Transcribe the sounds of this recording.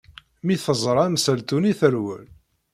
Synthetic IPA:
miθəzˤɾˤæmsælt̪uniθəɾwə̰l

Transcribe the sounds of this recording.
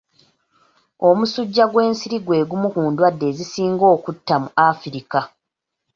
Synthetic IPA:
o̞musuɟːaɡwe̞ːnsiɾiɡwe̞ːɡumukuːndwadːe̞ːzisiːŋɡo̞ːkutːamuafiɾika

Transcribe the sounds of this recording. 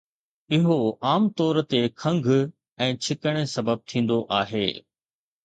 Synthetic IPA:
ɪɦoaːmt̪ɔːɾt̪ekʰɐ̃ŋɡʱ | ɛ̃ːt͡ɕʰɪkəɽ̃esɐbəb̚t̪ʰĩːn̆d̪oʔaːɦḛː

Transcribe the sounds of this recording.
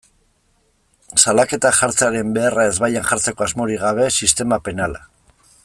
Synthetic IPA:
salake̞t̪aʝaɾt͡seaɾe̞mbe̞arae̞zβajanʝaɾt͡se̞ko̞azmo̞ɾiɣaβ̞e̞sist̪e̞mape̞nala

